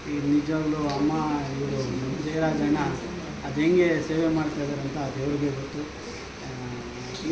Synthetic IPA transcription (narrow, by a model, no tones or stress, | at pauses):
inid͡ʒʋaːɡɐluɐmːɐiʋɽumɐnd͡ʒɐjɾaːd͡ʒɐnɐ | ɐd̪ɦeŋɡe̞seːʋe̞maːɖt̪ajd̪aɾɐnt̪ʰɐːd̪eʋɾiɡeɡot̪ːu